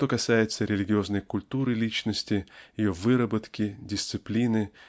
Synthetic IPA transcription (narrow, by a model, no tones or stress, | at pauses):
t̪o̞kɐsajɪt̪səɾʲɪlʲɪɡʲɪo̞znəjkʊlʲt̪uɾɨlʲit͡ɕnəsʲtʲɪjɪjovɨɾəbət̪kʲɪdʲɪsʲt̪sɨplʲinɨ